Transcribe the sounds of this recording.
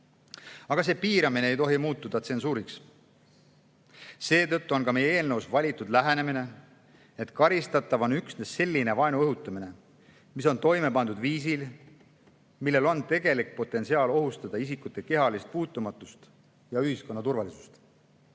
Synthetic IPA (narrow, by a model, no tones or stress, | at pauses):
ɑɡ̥ɑs̬e̞ːpiːɾɑmineejt̪o̞ɦimuːt̪ːˑud̪̥ɑt̪se̞nsuːɾiks | se̞ːt̪ɤ̞t̪ˑːuo̞nkɑme̞jee̞ːlnə̞wsvɑlʲit̪ːˑud̪læɦe̞ne̞mine̞ | et̪kɑɾist̪ɑt̪ːˑɑvo̞nyksne̞sːe̞lʲːine̞vɑenuɤɦut̪ːˑɑmine̞ | miso̞nt̪o̞jme̞pɑnd̪ud̪viːs̬il | milːe̞lo̞nt̪e̞ɡe̞lik̚po̞t̪ːˑe̞nsiɑːlo̞ɦust̪ɑd̪̥ɑisikˑut̪ˑːe̞ke̞ɦɑlist̪̚puːt̪ːˑumɑt̪ːˑust̪ | jɑyhisko̞nːɑt̪urvɑlisu̥st̪